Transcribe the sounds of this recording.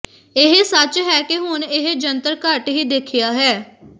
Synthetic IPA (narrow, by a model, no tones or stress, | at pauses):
ɪɦsət͡ʃɦɛːkɪɦʊnɪɦd͡ʒənt̪əɾkaʈɦiːd̪eːkʰɪjaːɦɛː